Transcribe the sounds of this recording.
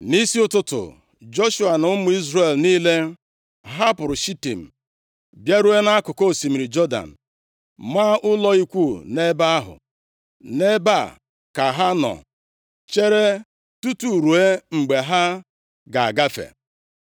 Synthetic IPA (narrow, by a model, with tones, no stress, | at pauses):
ni˦si˦ʊ˦tʊ˦tʊ̰˨ | d͡ʒo˦ʃu˦a˨nʊ˦mʊ˨˦i˦zɾe˨lniː˦le˦ | ɦa˦pʊ˨ɾʊ˨ʃi˦ti˨m̩˨ | bja˦ɾu˦e˦na˦kʊ˨ko˦˨si˨mi˨ɾi˨d͡ʒɔ˦da̰˨n̩˨ | ma˦ʔʊ˦lɔ˦i˦kʷu˦˨ne˦ba˦a˦ɦʊ̰˨ | ne˦ba˦˨ | ka˨ɦa˦nɔ̰˨ | t͡ʃe˦ɾe˦ | tu˦tu˨ɾu˨e˦ŋ͡m̩˨ɡ͡be˨ɦa˦ | ɡa˨a̰˨ɡa˦fḛ˨